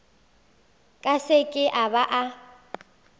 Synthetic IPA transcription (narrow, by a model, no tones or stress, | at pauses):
kʼasɪkʼɪʔabaʔa